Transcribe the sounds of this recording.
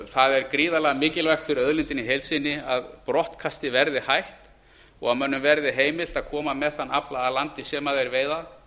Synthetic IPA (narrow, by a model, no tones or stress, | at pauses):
θaðɛɾkɾiːðalɛːɣamɪːcɪlvajxt̪fɪɾɪɾœðlɪnt̪ɪniɦejlsɪnːɪaðpɾɔht̪kʰast̪ɪvɛɾðɪhajht̪ | ɔɣaðmœnːʏmvɛɾðɪɦeːjmɪl̥t̪aðkʰɔːmamɛðθanːaplaðalant̪ɪsɛmaðɛjɾveːjðað